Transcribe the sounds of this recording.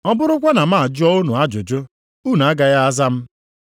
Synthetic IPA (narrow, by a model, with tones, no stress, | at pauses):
ɔ˦bʊ˦ɾʊ˦kʷa˦na˨m̩˦a˦˨a˨d͡ʒʊ˦ɔ˦o˦nu˨a˦d͡ʒʊ˨d͡ʒʊ˦ | u˦n˨a˦ɡa˨ja˦a˦za˦m̩˦